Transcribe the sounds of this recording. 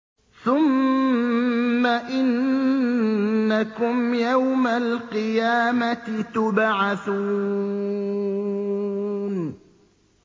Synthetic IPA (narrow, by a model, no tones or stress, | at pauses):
θʊm | aʔɪn | akʊmjawmalqɨjaːmaɪt̪ʊbʕaθuː | n